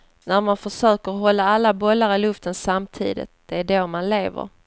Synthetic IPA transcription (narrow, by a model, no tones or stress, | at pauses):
næɾmanfœʂøːkəɾɔɦɔlːaalːabɔlːaɾɪlɵft̪ənsamt̪ʰḭːd̪ɪ̰t̪̚d̪̥ɛæɖomanleːvə̰ɾ